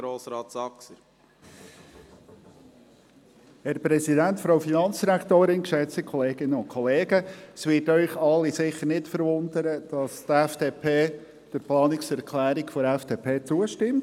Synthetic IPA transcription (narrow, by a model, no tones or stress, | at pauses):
ɾoːsɾɑːtsɑksəɾ | hɛɾpɾɛsidæntfɾoʊfinɑnt͡sd̥iɾækʰt̪oːɾɪnkʃɛt͡stikʰɔleːɡ̥ɪnːəʊnkʰɔleːɡəsʋɪtœʏχɑlːisɪχəɾnɪtfəɾvʊndəɾəd̥ɑst̪ɛfd̥eːpʰeː | d̥əɾplɑːnɪksɛɾkʰlæːɾikfɔɾɛfd̥eːpʰeːt͡suəʃtɪmt